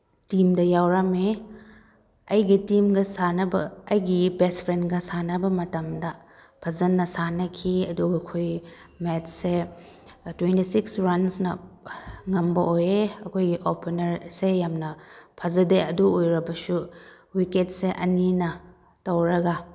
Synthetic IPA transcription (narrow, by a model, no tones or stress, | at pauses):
timdɐjawɾɐme | ɐjɡitimɡɐsanɐbɐːjɡibespʰɾenɡɐsanɐbɐmɐtɐmdɐ | pʰɐzɐnːɐsanɐkʰiɐduɡɐkʰoj | metse | twentisiksɾɐnsnɐ | ŋɐmbɐʔojeɐkʰojɡiʔopʰenɐɾsejamnɐpʰɐzɐdeɐduojɾɐbɐsu | wiket̚seʔɐninɐ | tɐwɾɐɡa